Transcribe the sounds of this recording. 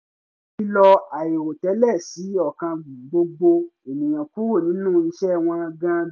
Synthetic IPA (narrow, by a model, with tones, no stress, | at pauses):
i˦lɔ˧a˨je˨ɾo˨tɛ˨˦lɛ˦˨si˨˦ɔ˦˨kã˧bũ˨ɡ͡bo˧ɡ͡bo˧e˨nĩ˨j̃ã˨ku˦ɾo˦˨nĩ˨˦nũː˦˨i˧ʃɛ˦˨w̃ɔ̃˧a˧ɡã˧˦